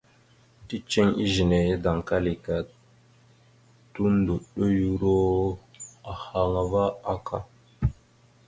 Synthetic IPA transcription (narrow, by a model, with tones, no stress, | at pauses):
ti˦t͡ʃe˦ŋi˦ʒi˨ne˨je˦da˨ŋka˦li˨ka˨ | tu˦n˦do˨ɗo˦ju˦ɾo˦a˨ha˨ŋa˨va˦a˦kʰa̰˦